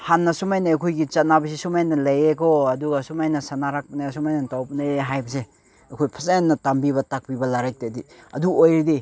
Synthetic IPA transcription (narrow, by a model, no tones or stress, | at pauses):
hanːɐsumajnɐːjkʰojɡit͡ʃɐt̚nabɐs̬isumajnɐlɐjekoɐduɡasumajnɐsanaɾak̚pɐnesumajnɐtawpɐneeɦajbɐs̬e | ɐkʰojpʰɐsenːɐtambibɐtak̚pibɐlaɾajk̚tediɐ̰duojɾidi